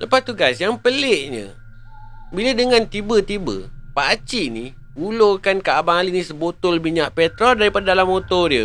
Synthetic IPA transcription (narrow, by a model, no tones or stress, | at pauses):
ləpast̪uɡasjaŋpəlɪʔɲə̰ | bilədəŋant̪ibət̪ibə̰paʔat͡ʃini | ulokankaabaŋalinisəbot̪ʊlbiɲaʔpɛt̪ɾɔldaɾipadadalamːot̪ɔɾjə